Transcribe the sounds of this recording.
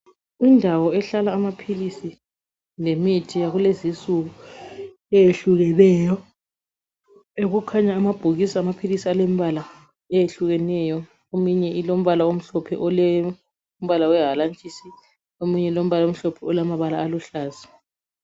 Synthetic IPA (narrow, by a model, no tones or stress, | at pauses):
indʱawɔɛɬalaːmapʰilisi | nemitʰijaɣulezisuɣu | ɛjeɬuɣɛlɛːjɔ | eɣukʰaɲaːmab̥ʱuɣisiamapʰilisialemiβala | ɛjeɬuɣɛnɛjɔ | omuɲɛilom̩βalaom̩ɬɔpʰɛ̰ʔɔlɛ | om̩βalawɛɦalant͡ʃʼisi | omuɲɛlom̩βalom̩ɬɔpʰɛɔlamaβalaːluɬaːzi